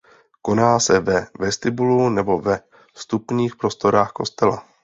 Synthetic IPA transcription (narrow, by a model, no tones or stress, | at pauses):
ko̞naːsɛvɛvɛst̪ɪbulunɛbo̞vɛ | st̪upɲiːxpɾo̞st̪o̞ɾaːxko̞st̪ɛla